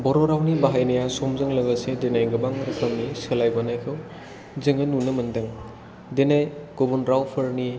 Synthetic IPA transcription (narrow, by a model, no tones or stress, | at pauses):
bɔɾɔɾawnibaɦajnɐjasɔmzɯŋlɐɡasedenajɡɐbaŋɐɾɐkʰɐmniselajbanajkʰɯw | zeŋɐnunɐmɐndɐŋ | denajɡ̥ɔbunɾawpʰɐɾni